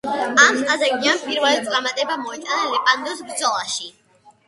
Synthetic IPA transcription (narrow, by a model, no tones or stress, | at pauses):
anazaɡianpʰʼiɾvɛlɛt̪sʼamat̪ʼɛbamɔɛt̪ʼanalɛpʼand̪ɔsbɾd̪zɔlˠaʃi